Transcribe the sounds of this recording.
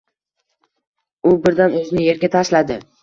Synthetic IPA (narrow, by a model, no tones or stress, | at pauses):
ʊbɪɾd̪anɵznɪje̞ɾɡʲat̪ʰaʃlad̪ɪ